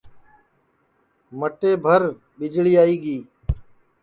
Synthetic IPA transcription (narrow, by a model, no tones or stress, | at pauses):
məʈeːbʱəɾ | ɓɪd͡ʒɭiːaːiːɡiː